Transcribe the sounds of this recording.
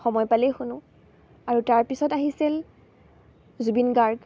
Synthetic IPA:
xɔmɔjpalɛxʊnʊ̃ | aɹutaɹpisɔtaɦisil | zubinɡaɹɡ

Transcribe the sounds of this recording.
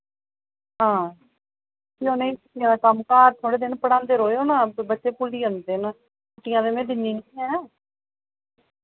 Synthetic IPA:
ɦãː | kionẽkəʈɪjãːd̪akəmkaːɾt̪ʰoːɽeːd̪ɪnpəɽãːnd̪eːɾoːeoːnãːbətːʃeːpuliːənd̪eːn | kʊtɪjãːd̪eːmẽːd̪ɪnːiːnkiɛ̃ː

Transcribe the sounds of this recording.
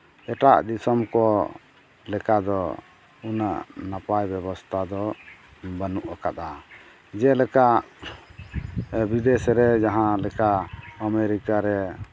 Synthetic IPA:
ɛʈa̰ʔd̪isɔmkɔ | lɛkad̪ɔ | una̰ʔnapajbɛbɔst̪ʰad̪ɔ | banuʔakat̪a | d͡ʒɛlɛkaʔ | bid̪ɛsɾɛd͡ʒaɦãlɛkaəmeɾikaɾɛ

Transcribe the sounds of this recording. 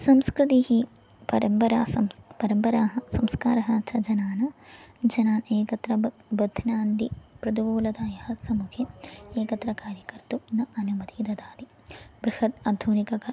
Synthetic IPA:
sɐmskɾut̪ihi | pɐɾɐmpɐɾa̰ːsɐmpɐɾɐmpɐɾaːɦɐsɐmskaːɾɐɦɐt͡ʃʰɐd͡ʒɐnaːnɐd͡ʒɐnaːneːkɐt̪ɾɐ | bɐd̪ʱnaːnd̪ipɾɐd̪iʋuːlɐd̪aːjɐhɐsɐmukʰeeːkɐt̪ɾɐkaːɾjɐkɐɾt̪unɐʔɐnumɐd̪id̪ɐd̪aːd̪i | bɾuhɐt̪̚ɐd̪ʱunikɐk

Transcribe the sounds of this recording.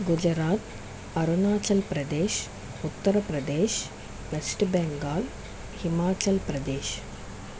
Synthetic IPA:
ɡud͡ʒɾaːt̪ | ɐɾunaːt͡ʃɐlpɾɐd̪eːʃ | ut̪ːɐɾɐpɾɐd̪eːʃ | lɐsʈbɛŋɡaːl | himaːt͡ʃɐlpɾɐd̪eːʃ

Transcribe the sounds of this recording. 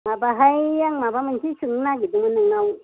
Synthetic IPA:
mabaɦaijaŋmabamuntisuŋnaɡidimuniŋnau

